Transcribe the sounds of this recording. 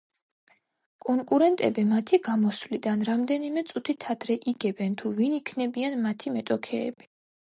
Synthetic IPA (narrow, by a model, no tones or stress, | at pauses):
kʼɔŋkʼuɾɛnt̪ʼɛbimat̪ʰiɡamɔswlid̪anɾamd̪ɛnimɛt̪sʼut̪ʰit̪ʰad̪̥ɾɛʔiɡɛbɛnt̪ʰuvinikʰnɛbianmat̪ʰimɛt̪ʼɔkʰɛ̰ːb̥i